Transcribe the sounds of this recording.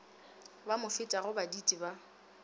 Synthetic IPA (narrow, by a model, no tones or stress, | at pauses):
bamʊfɪtʼaɣʊbaditʼiba